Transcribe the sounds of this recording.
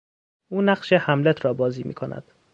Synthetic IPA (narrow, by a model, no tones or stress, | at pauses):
ʔuːnæɢʃehæmlet̪ʰɾɒːbɒːziːmḭːkʰonæ̰d̪̥